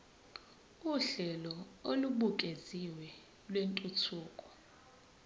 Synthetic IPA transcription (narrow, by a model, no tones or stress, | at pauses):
uɬɛlɔoluɓuk̬ʼeziwɛ | lwentʼut͡sʰuːkʼɔ̥